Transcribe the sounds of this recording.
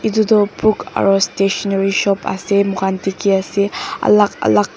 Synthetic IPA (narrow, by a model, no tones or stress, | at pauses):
idud̪ɔpuka̰ɹɔsteʃɔnaɾiʃɔpa̰semuɡantikiaseɐ̰lakɐ̰lak̚